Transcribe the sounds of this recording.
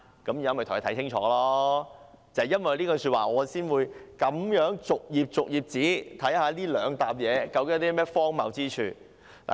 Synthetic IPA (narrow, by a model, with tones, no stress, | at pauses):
kɐ˨˥mjy˨˧jɐ˨˧mɐ˨˩t̪ʊ˨˩˨t̪ʰjt͡sʰɪ˥ŋt͡ʃʰɔ̰ː˨˥˧lɔː˥ | t͡sɐ˨˩ɛ˨jɐ˥nwɐ˨jliː˥kɔː˧syː˧t̚waː˨ŋɔː˨˧siː˥nwuː˨˧jkɐ˨˧˥mjœː˨˥ŋt͡sʊ˨k̚jiː˨p̚t͡sʊ˨k̚jiː˨p̚t͡siː˨˥t̪ʰɐ˨˥jhaː˨˧˥liː˥lœː˨˧ŋt̪aː˧p̚jɛː˨˧kɐ˧wkɪ˧˦ŋ˥t̪i˥mɛː˥fɔː˥ŋmɐ˨wt͡siː˥t͡ʃʰyː˨˧ | la̰ː˨˩